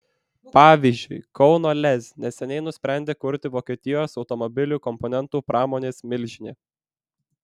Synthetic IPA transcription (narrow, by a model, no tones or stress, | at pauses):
pɑːʋʲiːzʲd͡ʒʲʊɪkɒʊnoːlʲɛzʲnʲɛsʲɛnʲɛɪnʊsʲpʲɾʲæˑnʲd̪ʲeːkʊɾʲt̪ʲɪʋoːkʲeːt̪ʲɪjoːsɒʊt̪ɔmɔbʲɪlʲuːˑkɔmpɔnʲɛnt̪uːpɾʔɑːmoːnʲeːsmʲɪlʲʒʲɪnʲeː